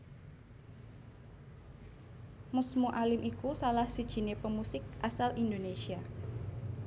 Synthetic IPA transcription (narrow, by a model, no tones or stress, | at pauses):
mʊsmuʔalɪmʔikusalahsid̥ʒ̥i̤nepəmusɪk̚ʔasalʔind̪onesia